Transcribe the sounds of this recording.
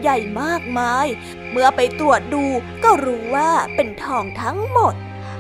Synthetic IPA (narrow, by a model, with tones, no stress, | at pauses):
ja˨˩jmaː˥˩k̚maː˧j | mɯ˧˩ɐpa˧jt̪ɾu˨˩ət̪̚duː˧ | kɔː˥˩ɾuː˦˥waː˥˩pe˧nt̪ʰɔː˧˩ŋt̪ʰa˦˥ŋmo˨˩t̪̚